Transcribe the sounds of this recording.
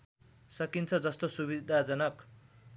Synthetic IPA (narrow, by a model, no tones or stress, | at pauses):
sʌkint͡sʰʌd͡zʌst̪osuβid̪ʱad͡zʌnʌk